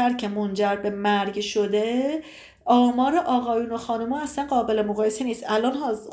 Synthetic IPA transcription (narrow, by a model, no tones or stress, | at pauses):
æɾcʰe̞mond͡ʒæɾbe̞mæɾɟʃod̪e̞ | ʔɒːmɒːɾeʔɒːɣɒːjuːno̞xɒːnumɒːæslænɢɒːbe̞le̞moɣɒːje̞se̞niːst̪ʔælʔɒːnɦɒː